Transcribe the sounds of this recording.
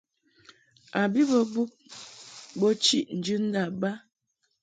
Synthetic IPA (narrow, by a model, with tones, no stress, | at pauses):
a˨bi˦bɔ˦bu˦p̚ | bɔ˦t͡ʃi˦ʔn̩˨d͡ʒʉ˦n̩˦da˨ba˦